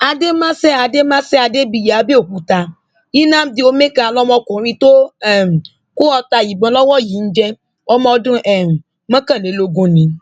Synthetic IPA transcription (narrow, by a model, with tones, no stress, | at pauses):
a˧de˦mã˦sɛ˦a˧de˦mã˦sɛ˦a˧de˦bi˧˨ja˨a˨˦be˦o˦˨ku˨˦ta˧ | i˦nã˦˨m̩˦di˦o˧me˦ka˧a˧lɔ˦mɔ̃˧kũ˨˦ɾĩ˧to˦ɛ˦˨m̩˨ | ku˦ɔ˧ta˧˨ji˨ɡ͡bɔ̃˧lɔ˦wɔ˦˨ji˨˦n̩˦d͡ʒɛ˧ | ɔ˧mɔ̃˧dũ˦ʔɛ˦˨m̩˨ | mã˦kã˦˨nẽ˨˦lo˨˧ɡũ˦nĩ˨